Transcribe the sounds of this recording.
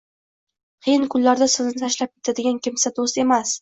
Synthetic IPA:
qʰɨjɪnkʰʊlːaɾd̪asɪznɪt̪ʰaʃlap̚kʲe̞t̪ʰad̪ɪɡʲankʲʰɪmsad̪ost̪e̞mas

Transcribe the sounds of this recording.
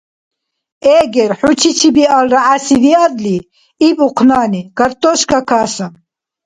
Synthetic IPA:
ɛːɡɛɾħut͡ʃʰit͡ʃʰibialɾaʕasid̪iad̪li | ipʼuqʰnaːniɡaɾt̪ʼɔʃkʰakʰaːsam

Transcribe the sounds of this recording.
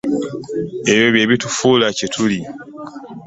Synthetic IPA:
e̞βjo̞βje̞ːβitufuːlacetʰuli

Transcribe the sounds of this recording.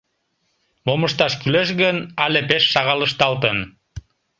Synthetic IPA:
moməʃt̪ɑʃkyleʃ̬ɣənɑlepeʃːɑɣɑləʃt̪ɑlt̪ən

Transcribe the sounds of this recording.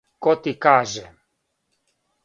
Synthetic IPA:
kɔt̪ikaːʒɛ

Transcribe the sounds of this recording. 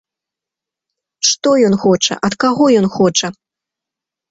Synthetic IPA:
ʂt̪ɔjɔnxɔt͡ʂɐ̰ʔɐt̪kaɣɔjɔnxɔt͡ʂɐ

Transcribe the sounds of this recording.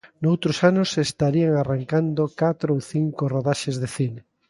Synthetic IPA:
nowt̪ɾosanʊsest̪aɾiaŋaraŋkand̪okat̪ɾoowθiŋkoroðaʃezðeθine

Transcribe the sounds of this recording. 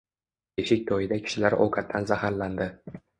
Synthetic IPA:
eʃɪk̚ʲt̪ʰɒjɪd̪akʲʰɪ̥ʃɪlaɾɒ̰wkʰat̪ʰːanzahaɾland̪ɪ

